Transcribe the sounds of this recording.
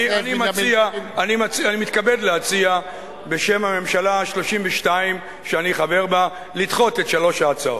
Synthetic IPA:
ianimat͡siaːnimat͡sianimit̪kabe̞dleat͡sia | be̞ʃe̞mame̞mʃalaʃlo̞ʃimveʃtaim | ʃeaniχave̞ʁba | litχo̞tetʃalo̞ʃaːt͡saot

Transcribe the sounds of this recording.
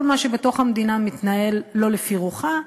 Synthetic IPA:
lmaʃe̞be̞toχamd̪inamit̪nae̞lːo̞lefiʁuχa

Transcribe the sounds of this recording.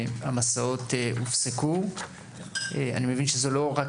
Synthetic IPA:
amasaotufseku | ea̰nimevinʃezelo̞ʁak

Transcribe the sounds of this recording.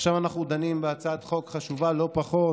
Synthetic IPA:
ʃavanaχnud̪animbeat͡saat̪χo̞kχaʃuvalo̞paχo̞

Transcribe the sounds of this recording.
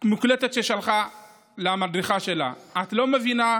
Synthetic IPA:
muklet̪et̪ʃeʃalχa | leamadʁiχaʃe̞la̰at̪lo̞me̞vina

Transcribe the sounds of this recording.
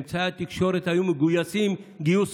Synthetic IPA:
mt͡sʰaat̪ikʃoɾet̪ʰajumiɡujasimɡijus

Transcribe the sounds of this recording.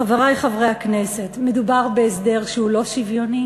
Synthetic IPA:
aveʁajχavʁejaknese̞tme̞dubaʁbe̞ːsde̞ʁʃehulo̞ʃivjo̞ni

